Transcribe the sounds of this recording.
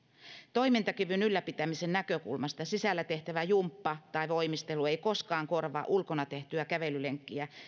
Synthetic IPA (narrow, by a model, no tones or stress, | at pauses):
t̪oimint̪ɑkyʋynylːæpit̪æmisennækøkṵlmɑst̪ɑsisælːæt̪eht̪æʋæjumpːɑt̪ɑiʋoimist̪elueikoskɑːŋkorʋɑ̰ʔulkonɑt̪eht̪yækæʋelyleŋkːiæ